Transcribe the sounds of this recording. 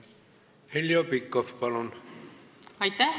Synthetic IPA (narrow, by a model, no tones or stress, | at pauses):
heljopikːofpɑlon | ɑjt̪ːæ